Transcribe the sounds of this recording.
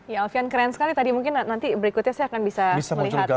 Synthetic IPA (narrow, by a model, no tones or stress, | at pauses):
jaɔlfiankɾɛnsə̥kalit̪adimuŋkɪnnant̪ibəɾikʊt̪̚ɲasajakanbisabisaməliuɡa